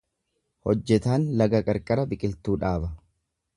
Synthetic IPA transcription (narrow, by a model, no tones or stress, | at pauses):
hɔd͡ʒːɛt̪aːnlɐɡɐkʼɐɾkʼɐɾɐbɪkʼɪlt̪uːᶑaːbɐ